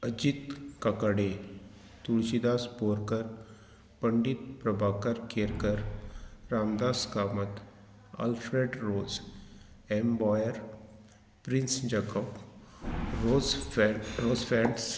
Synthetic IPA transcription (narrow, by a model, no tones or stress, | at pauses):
əd͡ʒit̪kɐkəɽe | t̪uɭt͡ʃid̪aːspoːɾkəɾ | pəɳɖit̪̚pɾɐbʱaːkəɾkeːɾkəɾɾaːmd̪aːskaːmət̪ | a̰lfɾeɖɾoːz | embɔjəɾ | pɾinsd͡ʒekɔp | o | ɾoːzfɛ̃ɳɖs